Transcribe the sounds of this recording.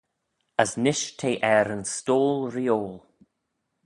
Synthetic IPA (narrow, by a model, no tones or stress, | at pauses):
əsnɪʃt̪ʰeːʔɛɾənstoːlɾioːlˠ